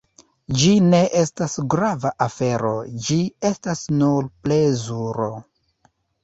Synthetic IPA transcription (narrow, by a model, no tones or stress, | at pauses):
d͡ʒine̞ʔe̞stasɡɾavaʔafe̞ɾo̞̰d͡ʒie̞stasnuɾplezuɾo̞